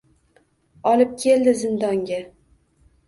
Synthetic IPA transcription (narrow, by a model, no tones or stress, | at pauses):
ɒlɪp̚kʲʰe̞ld̪ɪzɪnd̪ɒŋɡʲa